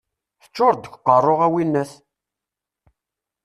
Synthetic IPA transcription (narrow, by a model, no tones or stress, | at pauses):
θə̥t͡ʃːoɾd̪əkʷːqːərˤːoʁæwinːæs